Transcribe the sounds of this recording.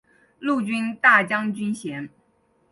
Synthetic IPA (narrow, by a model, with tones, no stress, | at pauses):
lu˥˩t͡ɕy˥nt̪a˥˩t͡ɕjɑ˥ŋt͡ɕy˥nɕjɛ˧˥n